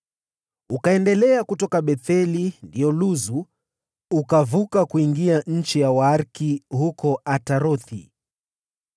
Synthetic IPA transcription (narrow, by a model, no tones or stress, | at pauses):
ukaɛndɛlɛakutɔkaɓɛθɛlindiɔluzu | ukavukakuiŋɡiaɲ̩t͡ʃijawaaɾkihukɔataɾɔθḭ